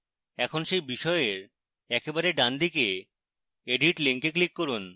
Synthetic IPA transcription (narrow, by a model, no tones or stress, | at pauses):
ɛkʰonʃejbiʃɔeeɾ | ɛkebaɾeɖand̪ike | eɖiʈliŋkeklikːoɾun